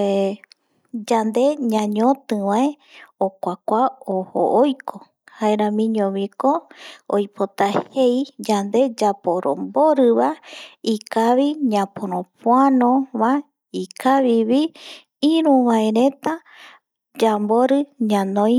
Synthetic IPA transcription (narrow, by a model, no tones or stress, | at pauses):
d͡ʒand̪e̞ɲãɲõt̪ɨʋãe | okʷakʷaoho̰ʔojkʰo | haeɾãmĩɲõβikoojpʰot̪ahejd͡ʒand̪e̞d͡ʒapoɾo̰mbo̞ɾɨβaikaβiɲãpoɾõpwanõβa | ikʰaβiβi | ĩɾũʋaeɾẽ̞t̪a | d͡ʒambo̞ɾɨɲãnõj̃